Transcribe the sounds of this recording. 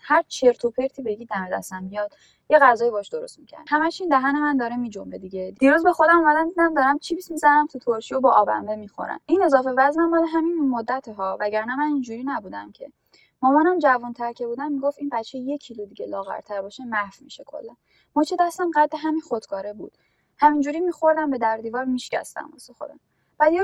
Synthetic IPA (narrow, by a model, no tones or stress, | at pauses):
hæɾt͡ʃʰeɾt̪ʰopʰeɾt̪ʰiːbeɡid̪æme̞d̪æ̰st̪æmbijɒd̪̥ | jeɣæzɒːjibɒhɔʃd̪o̞ɾo̞st̪micʰæ̰ɾd̪hæmæt͡ʃind̪æɦænemænd̪ɒːɾemid͡ʒombed̪iɟed̪̥iːɾuzbe̞xo̞d̪æmomæd̪æmd̪id̪æmd̪ɒːɾæmt͡ʃʰibismizænæmt̪ʰut̪ʰoɾʃijobɒʔɒːbæ̰mvemixo̰ɾæ̰mine̞zɒːfe̞væzmæmmɒːleɦæminmod̪ːæt̪ʰeɦɒːvæɟæɾnæmænind͡ʒuɾiːnæbuːd̪æmcʰe̞̰ | mɒmɒnæmd͡ʒævunt̪ʰæɾcʰe̞buːd̪æmmiɡoft̪inbætt͡ʃʰːeje̞cʰːilud̪iɟelɒːɣæ̰ɾt̪ʰæɾbɒːʃemæhfmḭʃekʰo̰lːæn | mɔt͡ʃʰed̪æst̪æmɢæd̪deɦæminxod̪̥kʰɒːɾe̞bṵːd̪̥ | hæmind͡ʒuːɾimiːxo̞ɾd̪æmbe̞d̪æɾd̪iːvɒːɾmiʃcæ̰st̪æ̰mɒ̰sexo̰ɾd̪æ̰m | b̥æd̪je